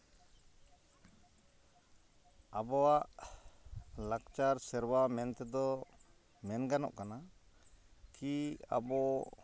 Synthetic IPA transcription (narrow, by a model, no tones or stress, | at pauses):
abɔwaʔ | lakt͡ʃaɾsɛɾwamɛnt̪ɛd̪ɔ | mɛnɡanɔ̰ʔkana | kia̰bɔ